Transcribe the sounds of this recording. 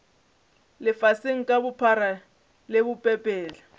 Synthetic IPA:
lɪfaseŋ̩kʼabʊpʰaɾa | lebʊpʼɛpʼɛːla

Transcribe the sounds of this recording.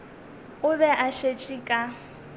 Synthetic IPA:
ʊbɛʔaʃet͡ʃʼikʼa

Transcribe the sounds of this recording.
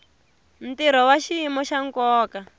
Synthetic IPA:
m̩tiɾ̤ɔwaʃiimɔʃaŋkɔːka

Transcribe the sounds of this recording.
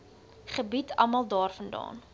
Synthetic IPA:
χəbitʰɐ̰mɐlˠdɑːrfəndɑ̰ːn

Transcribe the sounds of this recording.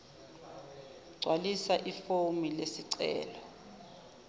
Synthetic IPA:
ɡ͡ǀʱwalisaʔifomilesiǀɛ̰ːlɔ

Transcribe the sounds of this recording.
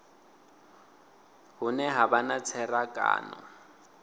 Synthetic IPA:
hʊnɛɦabanat͡sʰɛrakʼa̰ːnɔ

